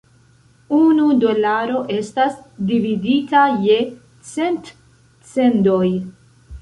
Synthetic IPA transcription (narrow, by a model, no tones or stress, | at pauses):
unudo̞laɾo̞ʔe̞stasdividitaje̞ | t͡se̞nt | t͡se̞ndo̞j